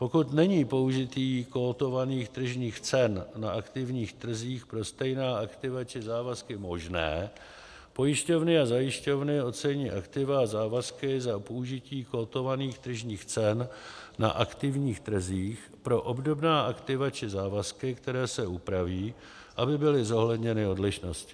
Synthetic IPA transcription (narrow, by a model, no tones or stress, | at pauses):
po̞kut̪nɛɲiːpo̞uʒɪt̪iːkot̪o̞vaniːxt̪r̩ʒɲiːxt͡sɛnnaʔakt̪ɪvɲiːxt̪r̩ziːxpɾo̞st̪ɛjnaːakt̪ɪvat͡ʃɪzaːvaskɪmo̞ʒnɛ̰ː | po̞jɪʃco̞vnɪazajɪʃco̞vnɪo̞t̪t͡sɛɲiːʔakt̪ɪvazaːvaskɪzapouʒɪciːko̞t̪o̞vaniːxt̪r̩ʒɲiːxt͡sɛnna̰ʔakt̪ɪvɲiːxt̪r̩ziːx | pɾo̞ʔo̞bdo̞bnaːʔakt̪ɪvat͡ʃɪzaːvaskɪkt̪ɛɾɛːsɛʔupɾaviː | ʔabɪbɪlɪzo̞ɦlɛdɲɛnɪo̞dlɪʃnoscɪ̥